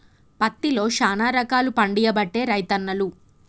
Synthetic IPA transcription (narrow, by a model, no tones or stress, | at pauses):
pɐt̪ːilo̞ːʃaːnaːɾɐkaːlupɐɳɖijɐbɐʈːe̞ːɾɐjt̪ɐnːɐlu